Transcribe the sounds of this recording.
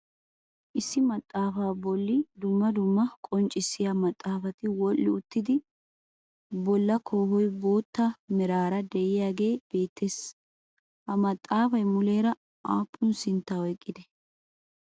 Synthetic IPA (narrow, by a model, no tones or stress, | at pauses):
ʔɪsːɪmɐt̪ʼːaːfaːbɔlːɪd̪ʊmːɐd̪ʊmːɐkʼɔnt͡ʃʼːɪsɪjamɐt̪ʼːaːfɐt̪ɪwɔlːɪʊt̪ːɪd̪ɪ | bɔlːɐkʰoːhɔjbo̞ːt̪ːɐmɛɾaːɾɐd̪ɛjɪjaːɡe̞ːb̥e̞ːt̪ʰːes | hɐmɐt̪ʼːaːfɐjmʊle̞ːɾɐ | ʔaːpʰʼːʊnsɪnt̪ːaːɔjkʼːɪd̪ɛ